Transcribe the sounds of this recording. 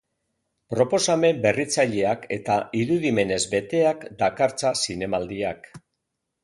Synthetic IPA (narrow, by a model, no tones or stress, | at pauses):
pɾo̞po̞same̞mbe̞rit͡saʎe̞ake̞t̪aiɾuðime̞ne̞zbe̞t̪e̞akd̪akaɾt͡sasine̞mald̪iak